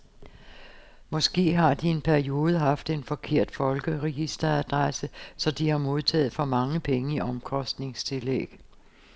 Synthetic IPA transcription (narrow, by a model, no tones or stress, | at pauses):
mɒ̽sɡ̥e̝̰ːɦɑ̈d̥ie̝npʰæɐio̝ːð̞ˠəɦɑ̈fd̥e̝nfɒ̽kʰe̝ɐ̰d̥fɒ̽lɡ̥əʁɛɡ̥isd̥ɐæd̥ʁasəsɒ̽d̥ihɑ̈mo̝ð̞ˠt͡sʰɛ̰ːð̩ˠfɒ̽mɑ̈ŋəpʰeŋəiʔɒ̽mkʰɒ̽sd̥ne̝ŋst͡sʰe̝lḛɡ̥